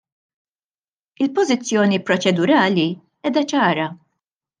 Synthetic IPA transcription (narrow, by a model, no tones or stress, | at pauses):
ɪlpɔzɪt͡sːjɔːnipɾɔt͡ʃɛd̪ʊɾɐːli | ɛːd̪ɐt͡ʃɐːɾɐ